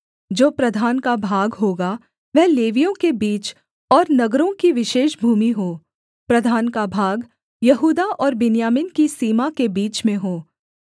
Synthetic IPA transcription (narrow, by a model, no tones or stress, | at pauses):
d͡ʒoːpɾɐd̪ʱaːnkabʱaːɡɦoːɡa | ʋɛɦleːʋijõkebiːt͡ʃ | ɔːɾnɐɡɾõkiʋɪʃeːʃbʱuːmiɦoː | pɾɐd̪ʱaːnkabʱaːɡ | jɐɦuːd̪aʔɔːɾbɪnijaːmɪnkisiːmakebiːt͡ʃmẽɦoː